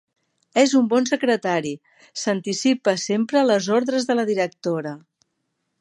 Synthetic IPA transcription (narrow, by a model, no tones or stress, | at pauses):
ɛzumbɔnsəkɾət̪aɾi | sənt̪isipəsempɾələzoɾðɾəzðələðiɾək̚t̪oɾə